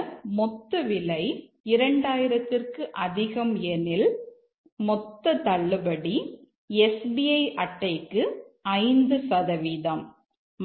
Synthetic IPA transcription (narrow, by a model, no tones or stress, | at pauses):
mɔt̪ːɐʋɪlɐɪ | ɪɾɐɳɖaːjɪɾɐt̪ːɪrkɯʔɐðɪɣɐmɛnɪl | mɔt̪ːɐt̪ɐɭːɯbɐɽi | ɛsbiɐɪʔɐʈːɐɪkːɯɐɪnd̪ɯsɐðɐʋiːðɐm